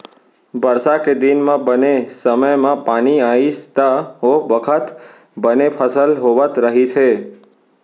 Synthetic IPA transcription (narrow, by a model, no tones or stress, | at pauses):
bəɾsaked̪inmãbənesəməjmãpaɽ̃iaist̪aɦobəkʰət̪ | bənepʰəsəlɦoʋat̪ɾəɦit͡ʃʰe